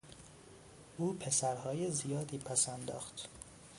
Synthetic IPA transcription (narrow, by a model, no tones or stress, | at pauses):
ʔuːpʰe̞sæɾhɒːje̞zijɒːd̪iːpʰæsænd̪ɒ̰ːxt̪